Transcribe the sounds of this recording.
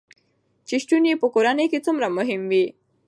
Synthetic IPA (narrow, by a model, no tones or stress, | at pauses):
t͡ɕiɕʈunipukoɾanekit͡sumɾaməɦimʋi